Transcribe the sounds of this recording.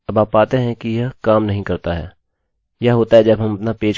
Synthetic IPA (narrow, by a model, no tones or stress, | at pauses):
ɐbaːpːaːt̪eɦɛ̃kijɐɦkaːmnɐɦĩkɐɾt̪aɦɛ̰ː | jɐɦɦoːt̪aɦɛd͡ʒɐbɦɐmɐpnapeːt͡ʃ